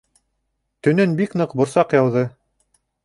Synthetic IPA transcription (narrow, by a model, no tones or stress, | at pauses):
t̪ɵ̆nɵnbikn̪ɤqbŏɾsɑqjɑwðɤ